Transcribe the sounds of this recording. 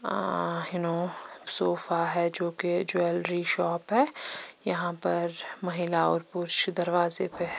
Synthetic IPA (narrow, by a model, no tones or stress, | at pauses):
jʊnosoːfaɦɛd͡ʒoːked͡ʒoɛlɾiʃɔːpɦɛːjɐɦãpɐɾmɐɦɪlaɔ̰ːɾpʊɾʃd̪ɐɾʋaːzḛpeɦɛ